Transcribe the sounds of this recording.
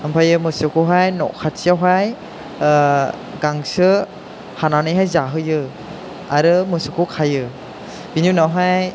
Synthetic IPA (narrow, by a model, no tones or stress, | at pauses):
ampʰajɯmɯsɯkʰoɦajnɔ̰ʔkʰatsʰijawɦaj | ɡaŋsɯ | hananɯjɦajzaɦɯjɯ | aɾɯmɯsɯkʰowkʰajɯ | binjunawɦaj